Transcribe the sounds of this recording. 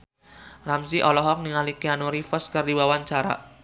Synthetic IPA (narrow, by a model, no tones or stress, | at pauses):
ramsiʔɔlɔɦɔk̚niŋalikeanoɾifɔskərdiwawaɲt͡ʃaɾa̰ʔ